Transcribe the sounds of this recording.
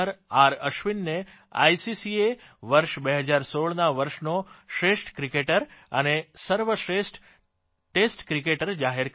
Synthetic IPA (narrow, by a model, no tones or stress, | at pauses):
əɾaɾəʃʋinːe | a̰jsisieʋəɾʃbeɦəd͡ʒaɾsoɭnaʋəɾʃnoʃɾesʈkɾikeʈəɾə̰nesəɾʋəʃɾesʈ | ʈesʈkɾikeʈəɾd͡ʒaɦeɾk